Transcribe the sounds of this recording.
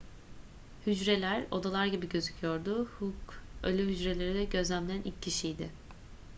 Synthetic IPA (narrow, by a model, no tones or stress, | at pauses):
hyd͡ʒɾe̞lʲæɾo̞̰d̪alˠaɾɟibiɟø̞zycʰyjo̞ɾd̪ʊhukø̰lʲɛɦyd͡ʒɾe̞lʲe̞ɾid̪ɛɟø̞zlʲæmlʲænʔilcʰːiʃijd̪ɪ